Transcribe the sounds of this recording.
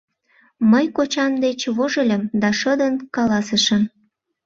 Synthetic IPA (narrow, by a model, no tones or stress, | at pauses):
məjkot͡ɕɑmd̪et͡ɕβoʒəlʲəmd̪ɑʃəd̪ənkɑlɑsəʃəm